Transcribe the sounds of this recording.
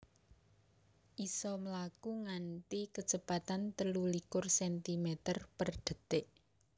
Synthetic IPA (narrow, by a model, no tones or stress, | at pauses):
ʔisɔmlakuŋant̪ikə̥d͡ʒ̥əpat̪ant̪əlulikʊrsɛnt̪imɛt̪ərpərd̪̥ə̤d̪̥ɪʔ